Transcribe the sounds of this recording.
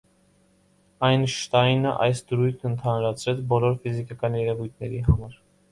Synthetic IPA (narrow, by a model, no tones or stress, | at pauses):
ɑjnʃt̪ɑjnəʔɑ̰jsd̪əɾujt̪ʰnənt̪ʰɑnɾɑt͡sʰɾɛt͡sʰbɔlɔɾfizikɑkɑnjɛɾɛvujt̪ʰnɛɾiɦɑmɑɾ